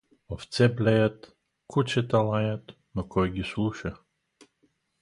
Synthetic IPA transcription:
ɔft̪t͡sɛblɛjat̪ | kut͡ʃɛt̪alajat̪ | nɔkɔjɡisluʃɛ

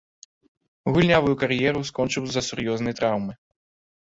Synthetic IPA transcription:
ɣulʲnʲavujukaɾjɛɾuskɔnt͡ʂɨwzɐsuɾjɔznɐjt̪ɾawmɨ

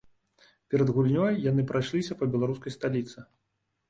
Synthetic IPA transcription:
pʲɛɾɐd̪ɣulʲnʲɔjːanɨpɾajʂlʲisʲɐpɐbʲɛlˠaɾuskɐjst̪alʲit̪sɨ

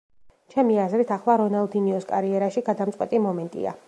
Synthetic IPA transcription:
t͡ʃʰɛmiazɾit̪ʰaχlˠaɾɔnalˠd̪iniɔskʼaɾiɛɾaʃiɡad̪amt̪sʼqʼwɛt̪ʼimɔmɛnt̪ʼḭa̰

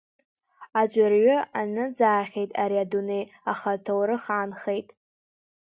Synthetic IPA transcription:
ad͡ʒʷʼarɥaanɨd͡zaːχʲe̞jtʼaɾiadune̞jaχatʰowɾɨχʕanχejtʼ

